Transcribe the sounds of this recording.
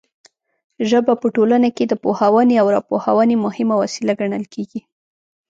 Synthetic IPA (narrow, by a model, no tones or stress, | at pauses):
ʒəbapəʈolanaked̪əpohawaneawɾɑpohawɑnemʊhɪmawasilaɡaɳəlkʰeɡi